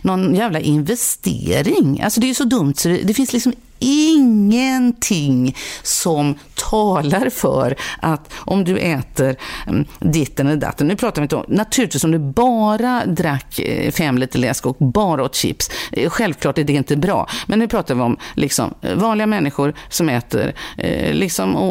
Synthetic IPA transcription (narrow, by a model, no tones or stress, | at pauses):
nɔnjæːvlaʔɪnvɛst̪ḛːɾɪŋa̰lsɔd̪ɛæɾjsɔd̪ɵmt̪sɔd̪ɛ̰d̪ɛfɪnslɪksɔm | ɪŋːənt̪ʰɪŋsɔmt̪ʰɑːlaɾfœ̰ɾʔat̪ʔɔmd̪ɵʔɛːt̪ʰəɾ | d̪ɪt̪ːənɛld̪a̰t̪ːənnʉ̟ːpʰɾɑːt̪aɾɪnt̪əɔ̰mnat̪ʰʉɾɪt̪iːsɔmd̪ʉbɑːɾad̪ɾakːfɛmːlɪt̪ʰəlɛ̰skɔk̚bɑːɾaɔt̪ɕɪ̰psɧɛlvkʰlɑːʈɛɖɛɪnt̪əbɾɑ̰ːmʔɛnːʉ̟pʰɾɑːt̪aɾvɪɔmlʔɪksɔ̰mvɑːnlɪɡamɛnːɪɧʊɾsɔmɛːt̪ə̰ɾlɪksɔmɔ